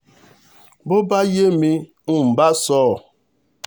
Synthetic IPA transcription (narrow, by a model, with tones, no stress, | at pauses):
bo˦ba˦je˦mi˦ | u˨m̩˨ba˦sɔː˦˨